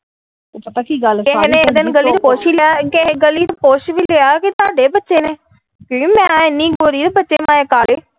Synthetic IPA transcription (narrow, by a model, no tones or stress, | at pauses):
pət̪aːkiːɡəlkeɦnẽːəd̪ɪnɡəliːt̪poːʃiːlakeɡəliːt̪poːʃʋiːleaːkɪt̪ʊaːɖeːbətːʃeːneː | kimɛ̃ːɪnːiːɡoːɾiːd̪bətːʃeːmaːeːkaːleː